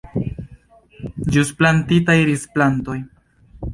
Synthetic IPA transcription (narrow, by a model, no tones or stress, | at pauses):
d͡ʒusplantitajɾisplanto̞j